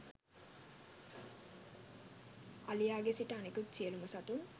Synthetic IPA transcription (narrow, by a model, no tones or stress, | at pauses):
ɐlijaːɡesiʈɐːnekut̪t͡ʃiəlumɐsat̪um